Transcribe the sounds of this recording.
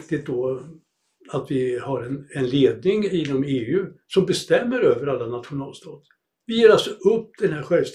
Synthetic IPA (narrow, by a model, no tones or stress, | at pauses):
kt̪ɪt̪̚d̪ɔ | at̪vɪhaɾɛnɛnleːd̪nɪŋɪnɔmeːʉ̟ːsɔmbɛst̪ɛmːəɾøːvəɾalːanat̪ɧʊnɑːlst̪ʰɑːt̪ | vɪjeːɾalsɔɵpːd̪̥ɛnhæɾɧɛlvst̪